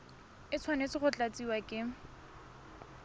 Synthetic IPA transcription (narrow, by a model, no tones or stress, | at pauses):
ɪt͡sʰwanet͡sɪχʊt͡ɬʼat͡sʼiwakʼɪ